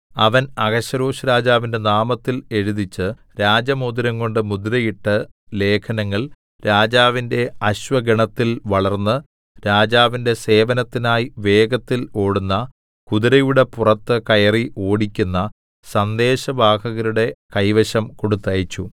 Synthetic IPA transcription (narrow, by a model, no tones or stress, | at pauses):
ɐʋɐnɐɡɐɕɐɾoːɕuɾaːd͡ʑaːʋinde̞naːmɐt̪ːile̞ɻuðit͡ɕːɨ | ɾaːd͡ʑɐmod̪uɾɐŋko̞ɳɖɨmud̪uɾɐjiʈːɨle̞ːkʰɐnɐŋːɐɭ | ɾaːd͡ʑaːʋinde̞ɐɕʋɐɡɐɳɐt̪ːilʋɐɭɐrnːɨ | ɾaːd͡ʑaːʋinde̞se̞ːʋɐnɐt̪ːinaːjiʋe̞ːɡɐt̪ːilo̞ːɽunːɐ | kuðiɾɐjuɽe̞purɐt̪ːɨkɐjɐriʔo̞ːɽikʲːunːɐ | sɐnd̪e̞ːɕɐbʱaːkɐɣɐɾuɽe̞kɐjʋɐɕɐmkoɽut̪ːɐjit͡ɕːu